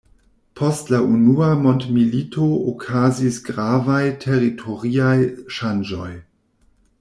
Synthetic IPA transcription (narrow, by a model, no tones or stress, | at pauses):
pʰostlaunuamo̞ntmilitʰookʰazisɡɾavajtʰeɾitʰoʁiajʃand͡ʒo̞̰j